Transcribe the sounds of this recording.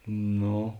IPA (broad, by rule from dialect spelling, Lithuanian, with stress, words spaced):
ˈnoː